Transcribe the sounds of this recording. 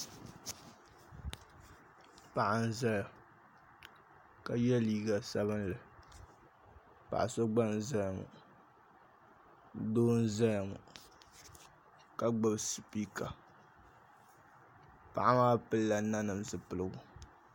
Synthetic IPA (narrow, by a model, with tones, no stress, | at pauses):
pa˨ʔa˨n˦za˦la˨ | ka˨jɛ˦liː˦ɡa˨sa˦βɨ˦nlɨ˨ | pa̰˨ʔa˨so˦ɡ͡ba˦n˨za˦lmṵ˨ | doː˦n̩˦za˦jmṵ˨ | ka˦ɡ͡bɨ˦bsɨ˨pi˦ka˨ | pa˨ʔa˦maː˦pɨ˦lla˨˦na˦nɨ˨mzɨ˨pɨ˨lɨ˨ɡʊ˨